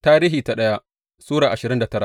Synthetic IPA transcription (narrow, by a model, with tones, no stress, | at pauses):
taː˦ɾiː˦ɦiː˨ta˨ɗɐ˦ja˦ | suː˦ɽaː˨ʔa˨ʃɪ˨ɾɪ˦nda˨tɐ˦ɾa˨